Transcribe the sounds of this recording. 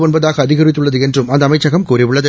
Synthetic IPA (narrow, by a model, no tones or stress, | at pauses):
onbɐðaːɣɐːðɪɣɐɾɪt̪ːɯɭːɐðɯɛndrɯmɐnd̪ɐmɐɪt͡ʃːɐɣɐmkuːrɪʋɪɭːɐðɯ